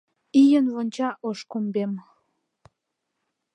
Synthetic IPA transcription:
ijənvonʲt͡ɕɑʔoʃkombem

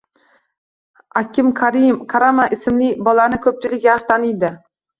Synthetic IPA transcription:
akʲʰɪmkʰaɾɪmkʰaɾamaʔɪsɪmlɪbɒlanɪkʰɵp̚t͡ʃʰɪlɪkʲjaʃt̪ʰanɪjd̪ɪ

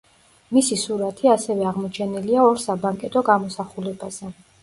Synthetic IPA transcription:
misisuɾat̪ʰiasɛvɛaʁmɔt͡ʃʰɛniliaɔɾsabaŋkʼɛt̪ʼɔɡamɔsaχulɛbaz̥ɛ

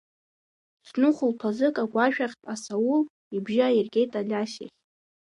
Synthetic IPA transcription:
snʊχʷʊlpʰazɨkʼaɡʷʼaʃᶣaχʲtʼasawul | ibʒairɡʲʼe̞jtʼalʲaʃa̰χʲʼ

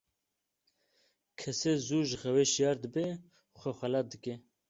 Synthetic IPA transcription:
kʰɛsezuːʒɣɛweʃijɑːɾd̪ɨbe | xʷɛxʷɛlɑd̪ɨke

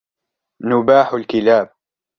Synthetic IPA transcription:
nʊbaːħʊlkɪlaːb̚

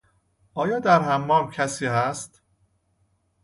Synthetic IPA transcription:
ʔɒːjɒːd̪æɾɦæmːɒːmcʰæsiːhæst̪

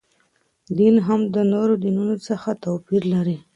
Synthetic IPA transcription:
d̪inɦamd̪ənoɾod̪inunosəxat̪opiɾlaɾi

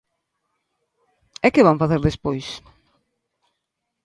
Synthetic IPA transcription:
ɛkɪβaɱfaθeɾðespojs

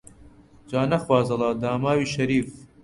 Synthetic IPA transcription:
d͡ʒaːnɐxwaːzɐlˠaːd̪aːmaːwiːʃɐɾiːf

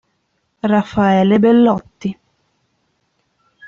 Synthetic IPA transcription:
rafːaɛːlebelːɔt̪ːi

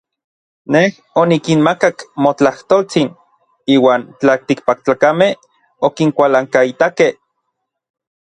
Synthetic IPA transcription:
neh | onikinmakakmot͡ɬaht̪olt͡sin | iːwaːnt͡ɬalt̪ik̚pak̚t͡ɬakameh | okiŋkʷalaŋkait̪akeh

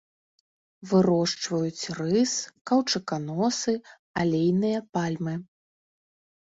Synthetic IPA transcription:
vɨɾɔʂt͡ʂvɐjut͡sʲrɨskɐwt͡ʂɨkanɔsɨ | alʲejnɨjɐpalʲmɨ

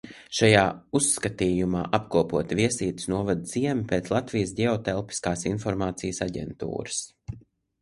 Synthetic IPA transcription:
ʃajaːusːkat̪iːjumaːʔapkuɔpuɔt̪iviɛsiːt̪ɪ̥snuɔvad̪z̥iɛmipeːt̪slˠat̪vijəs̬ɟʲɛɔt̪ɛlˠpi̥skaːsinfɔɾmaːt̪sijsaɟɛ̰nt̪ṵːɾəs

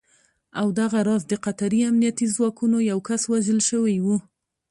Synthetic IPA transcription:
awd̪aɣaɾɑzd̪əqat̪aɾiamnijat̪izwɑkunojawkaswaʒəlʃəwajwu

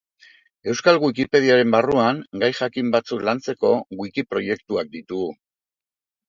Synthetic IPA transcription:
e̞wskalɣuikipe̞ð̞iaɾe̞mbaruaŋɡajxakimbat͡suklant͡se̞ko̞ɣuikipɾo̞je̞kt̪uak̚d̪it̪uɣu

